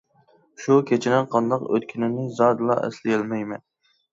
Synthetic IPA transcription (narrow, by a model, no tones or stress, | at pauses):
ʃukʲʰet͡ʃʰɪnɪnqʰɑnd̪ɑqø̰t̪kʲʰinɪnɪzɑd̪ɨlˠɑ̰ʔɛ̰slɪjɛlmɛjmɛn